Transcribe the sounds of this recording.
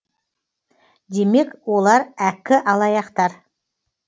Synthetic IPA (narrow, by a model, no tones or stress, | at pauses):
d̪e̞me̞kwo̞lˠɑɾækʲɪʔɑlˠɑjɑqt̪ɑɾ